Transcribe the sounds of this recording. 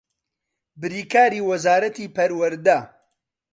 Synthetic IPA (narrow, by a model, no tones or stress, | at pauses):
bɨɾiːkaːɾiːwɐzaːɾɐt̪iːpʰɐɾwɐɾd̪ɐ